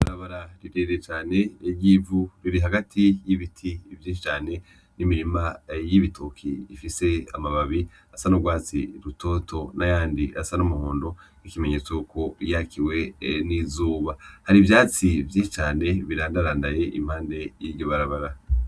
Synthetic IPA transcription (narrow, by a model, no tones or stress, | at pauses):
βaɾaβaɾaɾiɾeɾet͡ʃaːne̞eɟivuɾiɾiɦaɡatʰijiβitʰivjiːʃit͡ʃaːne̞ | nimiɾimajiβitʰokʰḭːfise̞amaβaβi | asanoɡwaːt͡sḭɾutʰo̞ːtʰo̞najaːndiʔasanomuhoːndo̞nikime̞ɲe̞ːt͡soko̞jakʰiwe̞nizuːβahaɾivjaːt͡sivjiːʃit͡ʃaːne̞βiɾaːndaɾaːndaje̞ʔḭmhaːnde̞jiɾɟo̞βaɾaβaɾa